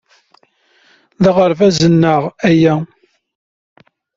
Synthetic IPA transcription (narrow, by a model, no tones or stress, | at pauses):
ðəʁəɾvæzənːəʁæjæ